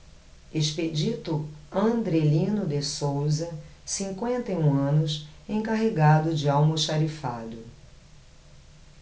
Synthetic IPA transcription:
eʃped͡ʒit̪ʊɐ̃nd̪ɾelĩnʊd̪esowzɐsĩŋkwẽnt̪ɐjũɐ̃nʊsẽkaɦeɡad̪ʊd͡ʒɪawmʊʃaɾifaljʊ

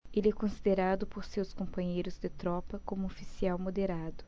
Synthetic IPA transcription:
elɪɛkõsid̪eɾad̪ʊpoɾsewskõmpɐ̃ɲejɾʊzd̪ɪt̪ɾɔpɐkõmʊofi̥siawmod̪eɾad̪ʊ

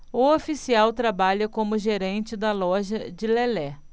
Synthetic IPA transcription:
ʊofisiawt̪ɾabaʎɐkõmʊʒeɾẽnt͡ʃɪd̪ɐlɔʒɐd͡ʒɪlelɛ

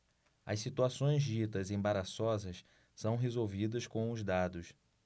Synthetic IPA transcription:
ɐ̰ssit̪uasõj̃zd͡ʒit̪ɐzẽbaɾasɔzɐs | sɐ̃w̃ɦezowvid̪ɐskõw̃ʊzd̪ad̪ʊs

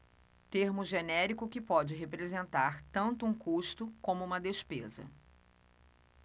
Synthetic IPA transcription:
t̪eɾmʊʒenɛɾikʊkɪpɔd͡ʒɪɦepɾezẽnt̪aɾt̪ɐ̃nt̪ʊũkuʃt̪ʊkõmʊũmɐd̪espezɐ̰

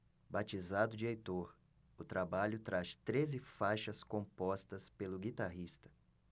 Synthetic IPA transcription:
bat͡ʃizad̪ʊd͡ʒɪejt̪oɾ | ʊt̪ɾabaʎʊt̪ɾaʃt̪ɾezɪfajʃɐskõmpɔst̪ɐspelʊɡit̪aɦist̪ɐ̥

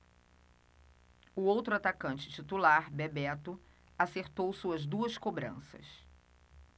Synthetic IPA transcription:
ʊowt̪ɾʊat̪akɐ̃nt͡ʃɪ̥t͡ʃit̪ulaɾbebɛt̪ʊ | aseɾt̪owsuɐzd̪uɐskobɾɐ̰̃sɐ̰s

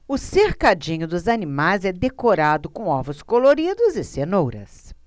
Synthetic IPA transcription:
ʊseɾkad͡ʒĩɲʊd̪ʊzanimajzɛd̪ekoɾad̪ʊkõw̃ɔvʊskoloɾid̪ʊzɪsenowɾɐ̰s

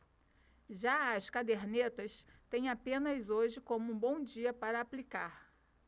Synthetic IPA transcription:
ʒaɐskad̪eɾnet̪ɐst̪ẽj̃apẽnɐzoʒɪkõmʊũbõw̃d͡ʒiɐpaɾɐːplikaɾ

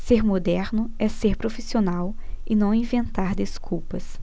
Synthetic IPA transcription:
seɾmod̪ɛɾnʊɛseɾpɾofisionawɪnɐ̃w̃ĩvẽnt̪aɾd̪eskʰuwpɐs

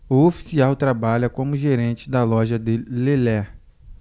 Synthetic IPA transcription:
ʊofi̥siawt̪ɾabaʎɐkõmʊʒeɾẽnt͡ʃɪd̪ɐlɔʒɐd̪ɪlelɛ

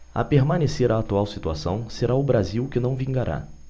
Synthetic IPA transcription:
ɐ̰peɾmɐ̃neseɾaːt̪uawsit̪uasɐ̰̃w̃seɾaʊbɾaziwkɪnɐ̃w̃vĩŋɡaɾʔa̰

